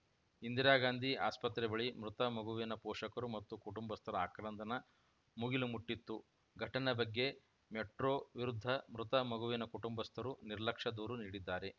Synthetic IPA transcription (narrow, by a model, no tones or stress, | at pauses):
ind̪iɾaːɡaːnd̪ʱiʔa̰ːspɐt̪ɾɛbɐɭimɾut̪ɐmɐɡuʋijɐnɐpɔːʂɐkɐɾumɐt̪ːukuʈumbɐst̪ʰɐɾɐaːkɾɐnd̪ʱɐnɐ | muɡilumuʈːit̪ːu | ɡʱɐʈɐnɐbɐɡːe̞ | meʈɾoːʋiɾud̪ʱːɐmɾut̪ɐmɐɡuʋijɐnɐkuʈumbɐst̪ʰɐɾuniɾlɐkʂɐd̪uːɾuniːɽid̪ːaːɾe̞